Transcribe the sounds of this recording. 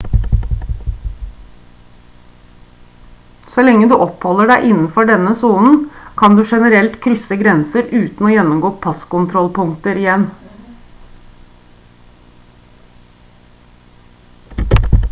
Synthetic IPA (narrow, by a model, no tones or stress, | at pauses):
sɔlɛŋːəd̪ʉːʔɔphɔləɖæɪʔɪnn̩fɔɖɛnəsuːnn̩kʰɑnd̪ʉːʂɛnəɾɛlt̪kʰɾʏsəɡɾɛnsəɾʔʉːt̪n̩oːjɛnːʊmɡoːpʰɑskʊnt̪ʰɾɔlpʊŋkt̪əɾɪjɛn